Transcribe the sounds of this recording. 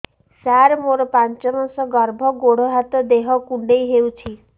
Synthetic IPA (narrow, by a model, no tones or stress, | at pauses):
saɾmoɾɔpant͡ʃɔmansɔɡʌɾbʱʌɡoɽ̤ɔɦat̪ɔd̪eɦʌkuɳɖejɦewt͡ʃʰi